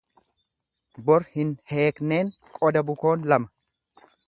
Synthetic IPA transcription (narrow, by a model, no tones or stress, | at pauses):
bɔɾhɪnhe̞ːkne̞ːŋkʼɔd̪ɐbʊko̞ːnlɐmɐ̥